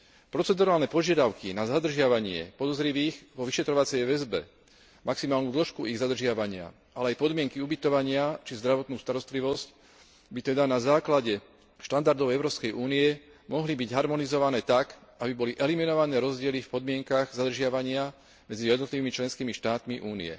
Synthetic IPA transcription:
pɾɔt͡sɛd̪uɾaːlnɛpɔʒɪad̪aʊkinazad̪r̩ʒɪaʋaɲɪɛ̰pɔd̪ɔzɾiʋiːɣʋɔʋiʃɛt̪ɾɔʋat͡sɛjʋɛzbɛ̰ | mʔaksimaːlnuːd̪l̩ʃkuiɣzad̪r̩ʒɪaʋaɲɪa̰ | ʔalɛajpɔd̪mɪɛŋkiubit̪ɔʋaɲɪat͡ʃizd̪ɾaʋɔt̪nuːst̪aɾɔst̪liʋɔsc | bit̪ɛd̪anazaːklaɟɛ | ʃt̪and̪aɾd̪ɔʊɛʊɾɔːpskɛjʔuːniɛ | mɔɦlibiɟɦaɾmɔnizɔʋanɛːt̪akʔabibɔliʔɛliminɔʋanɛːɾɔzɟɪɛlifpɔd̪mɪɛŋkaɣzad̪r̩ʒɪaʋaɲɪa | mɛd͡zijɛd̪nɔt̪liʋiːmit͡ʃlɛnskiːmiʃt̪aːt̪miʔuːnḭɛ̰

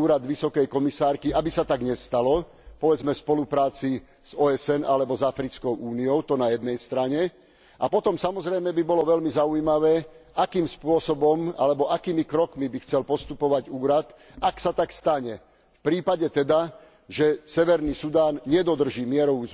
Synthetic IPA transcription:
uːɾad̪ʋisɔkɛjkɔmisaːɾkiabisat̪aɡɲɛst̪alɔ | pɔʋɛd͡zmɛspɔlupɾaːt͡si | z̥ɔːɛsɛnalɛbɔzafɾit͡skɔʊʔuːniɔʊt̪ɔnajɛd̪nɛjst̪ɾaɲɛ | ʔapɔt̪ɔmsamɔzɾɛjmɛbibɔlɔʋɛlmizaujmaʋɛːakiːmspʊɔsɔbɔma̰lɛbɔʔakiːmikɾɔkmibixt͡sɛlpɔst̪upɔʋaɟuːɾat̪ | aksat̪akst̪aɲɛ | fpɾiːpaɟɛt̪ɛd̪a | ʒɛsɛʋɛɾniːsud̪aːnɲɛd̪ɔd̪r̩ʒiːmɪɛɾɔʋuːz

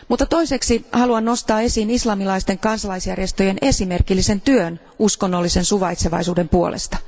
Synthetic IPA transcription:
mut̪ːɑt̪o̞ise̞ksihɑluɑnːo̞st̪ɑːe̞siːnislɑmilɑist̪e̞ŋkɑnsɑlɑisjærje̞st̪o̞je̞ne̞sime̞rkilːise̞nt̪yøn | usko̞nːo̞lːise̞nsuʋɑjt̪seʋɑ̰jsuːde̞mpuo̞̰lʔḛst̪ɑ̥

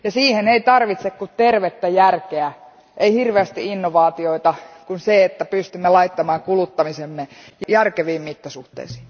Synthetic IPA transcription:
jɑsiːheneit̪ɑrʋit̪sekkut̪t̪erʋet̪ːæjærkeæ | ʔeihirʋeæst̪ḭinːoʋɑːt̪ioit̪ɑkunseet̪ːæpyst̪ymːelɑit̪ːɑmɑːŋkulut̪ːɑmisemːejjærkeʋiːmmit̪ːɑsuht̪ḛisi̥ː

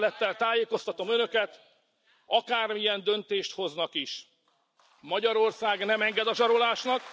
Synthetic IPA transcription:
lɛt̪ːɛlt̪aːjeːko̞st̪ɒt̪o̞mønø̞kɛt̪ | ɒkaːrmijɛnd̪ø̞nt̪eːʃt̪ho̞znɒkiʃ | mɒɟɒɾo̞rsaːɡnɛmɛŋɡɛd̪ɒʒɒɾo̞laːʃnɒk

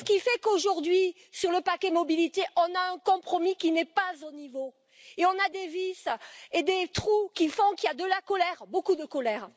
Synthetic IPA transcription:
sə̥kʲifɛkoʒuʁd̪ɥi | syʁləpakʲɛmɔbilit̪eʔɔ̃naɛ̃kɔ̃pχɔmikʲinɛpazonivo | eɔ̃nad̪evised̪et̪χukʲifɔ̃kiad̪əlakɔlɛʁbokud̪əkɔlɛʁ

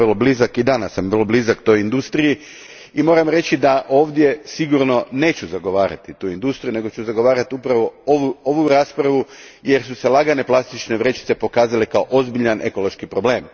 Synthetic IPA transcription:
rlo̞blizakid̪anasːamrloblizakt̪o̞jind̪ust̪ɾiji | imo̞ɾamɾe̞t͡ɕid̪aʔo̞ːʋd̪ʲje̞siɡuɾno̞ne̞ːt͡ɕuzaɡo̞ʋaːɾa̰t̪it̪uːind̪ust̪ɾijune̞ɡo̞t͡ɕuzaɡo̞ʋaːɾat̪iupɾaʋo̞oʋuoʋuɾaːspɾaʋu | je̞ɾsuse̞lˠaɡane̞plˠast̪it͡ʃne̞ʋɾe̞t͡ʃi̥t̪se̞po̞kaːzalekaoʔo̞zbiʎanʔe̞ko̞lo̞ʃkipɾo̞ble̞ːm

